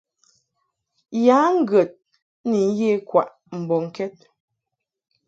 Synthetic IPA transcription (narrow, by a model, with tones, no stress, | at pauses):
jaː˨˦ŋ̩˦ɡə˨t̚ | ni˨˦je˦kwa˨ʔ | m̩˨bɔ˨ŋ̩˨kɛ˦t̚